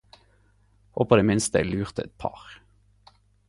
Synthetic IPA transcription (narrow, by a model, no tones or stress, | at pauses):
o̰pʰoːd̪eːmɪnst̪əɛ̰lʉːʁt̪əɛ̰t̪̚pʰɑ̰ːʁ